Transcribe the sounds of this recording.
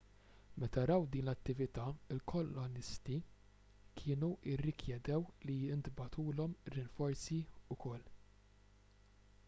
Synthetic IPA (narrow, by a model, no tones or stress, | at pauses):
mɛt̪ɐɾɐwd̪iːnlɐt̪ːɪvɪt̪ɐɪlkʰɔlːɔnɪst̪i | kʰɪːnuɪrːɪkʰjɛd̪ɛwliɪnt̪bɐt̪uːlɔmɾɪnfɔɾsiʊkɔlː